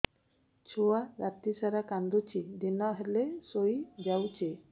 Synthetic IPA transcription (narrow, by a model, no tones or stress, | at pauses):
t͡ʃʰowaɾat̪isaɾakand̪ut͡ʃʰid̪inɔɦɛlesojd͡ʒawt͡ʃʰe